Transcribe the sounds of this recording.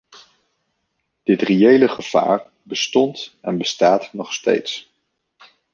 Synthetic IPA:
d̥ɪtrejejləχəv̥a̰ːɹ | bəstɔntɛnbəstaːtnɔχstḛjts

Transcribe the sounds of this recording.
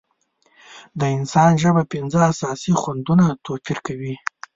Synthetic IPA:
d̪əɪnsɑnʒəbapɪnd͡zəasɑsixwand̪unat̪ofiɾkawi

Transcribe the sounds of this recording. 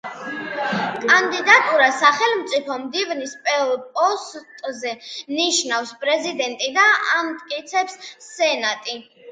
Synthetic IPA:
kʼand̪id̪at̪ʼuɾasaχɛlmt̪sʼipʰɔmd̪ivnispʼɛpʼɔst̪ʼzɛniʃnafspʼɾɛzid̪ɛnt̪ʼid̪aamt̪ʼkʼit̪sʰɛpsːɛnat̪ʼi

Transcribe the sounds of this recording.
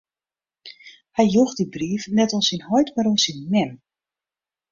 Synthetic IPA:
hɛjjuxdibriːfnɛtɔnˠsinhɔjtmaɾɔnsinːɛm

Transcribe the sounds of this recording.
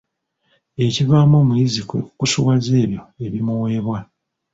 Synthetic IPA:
e̞civaːmoːmujizikekusuwaze̞ːβjo̞e̞βimuwe̞ːβwa

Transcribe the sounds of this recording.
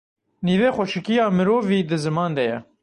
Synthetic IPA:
niːveːxʷɔʃɪkijɑːmɨɾoːviːd̪ɨzɨmɑːnd̪ɛjɛ

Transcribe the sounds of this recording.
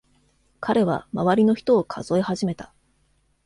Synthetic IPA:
kʰaɾe̞βa̰maβaɾʲino̞çi̥t̪o̞ːkʰa̰zo̞eɦaʑime̞t̪ḁ

